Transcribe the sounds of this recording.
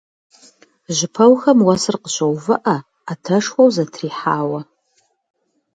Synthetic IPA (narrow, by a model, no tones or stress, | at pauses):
ʒɪpʰɐwxɐmwɐsɨrqəɕɐwvɨʔɐː | tʰɐʂxʷowzɐtʰriːħaːwɐ